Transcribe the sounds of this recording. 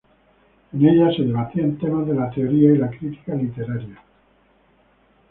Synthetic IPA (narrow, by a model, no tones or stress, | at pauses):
ene̞ʎase̞ðe̞β̞at̪iaent̪e̞mazðe̞lat̪eoɾiailakɾit̪i̥kalit̪e̞ɾaɾja